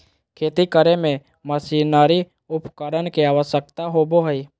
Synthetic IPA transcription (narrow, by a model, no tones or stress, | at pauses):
kʰeːt̪ikəɾemẽ | məsinaːɾi | ʊpkəɾənkeaːʋəʃjək̚t̪aɦoboɦəi